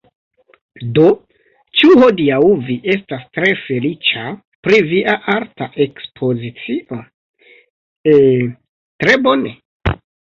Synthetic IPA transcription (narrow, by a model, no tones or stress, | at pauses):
do̞ | t͡ʃuho̞diawviʔe̞stastɾe̞fe̞lit͡ʃa | pɾiviʔaʔaɾtaʔe̞kspʰo̞zit͡siʔo̞ | e | tɾe̞bo̞nḛ